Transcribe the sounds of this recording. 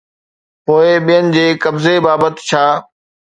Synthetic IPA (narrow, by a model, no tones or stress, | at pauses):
poːeɓijənɪ̆d͡ʑeːkɐbzebaːbət̪t͡ɕʰaː